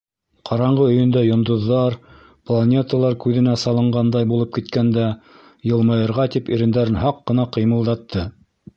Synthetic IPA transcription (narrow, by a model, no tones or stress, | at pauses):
qʰɑɾɑɴɢɤɵ̆jɵ̆nd̪æjŏnd̪ŏðːɑɾ | plˠanʲet̪alˠɑɾkʉðɘ̆næsɑlˠɤ̆ɴɢɑnd̪ɑjbulˠɤp̚kit̪kænd̪æ | jɤ̆lˠmɑjɤ̆ɾʁɑt̪ipiɾɘ̆nd̪æɾɘnɦɑqːɤ̆nɑqɤ̆jmɤ̆lˠd̪ɑt̪ʰːɤ